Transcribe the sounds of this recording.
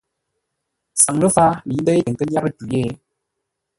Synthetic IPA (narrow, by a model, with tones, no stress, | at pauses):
sa˨ŋlə˦fa˦li˨˦n˦də˦e˦ə˨ŋ˨kə˦ɲ˦a˦ɾə˦tu˨je˦˨˦